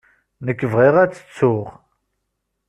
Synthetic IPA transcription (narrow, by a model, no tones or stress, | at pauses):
nəkːəvʁiʁæt͡sːə̥t͡sːʊʁ